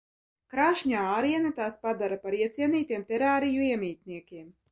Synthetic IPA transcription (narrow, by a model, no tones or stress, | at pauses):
kɾaːʃɲaːaːɾiɛnat̪aːspad̪aɾapaɾiɛt̪sʲiɛniːt̪iɛmt̪ɛɾaːɾijuiɛmʲiːt̪ʲniɛkʲiɛm